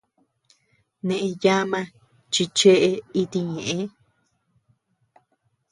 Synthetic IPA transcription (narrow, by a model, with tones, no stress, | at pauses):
nẽ˨ʔẽ˧ja˦mã˧ | t͡ʃi˧t͡ʃe˦ʔe˧i˧t̪i˧ɲẽ˨ʔẽ˧˦